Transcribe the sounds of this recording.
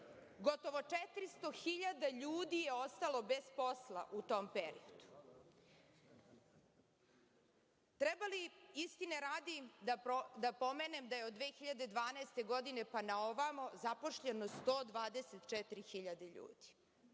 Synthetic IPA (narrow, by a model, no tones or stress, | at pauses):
ɡo̞t̪o̞ʋo̞t͡ʂɛt̪ɾist̪o̞xiʎad̪aʎuːd̪ijeost̪alˠo̞bezpo̞slˠa̰ʔut̪o̞ːmpeɾḭod̪u̥ | t̪ɾɛbaliist̪ineɾaːd̪id̪ad̪apo̞menemd̪ajeod̪ʋeːxiʎad̪e̞d̪ʋaːnaest̪e̞ɡo̞d̪ine̞panaoʋamozapo̞ʃʎeno̞st̪oːd̪ʋaːd̪eset̪t͡ʃɛt̪ɾixiʎad̪eʎṵːd̪̥i̥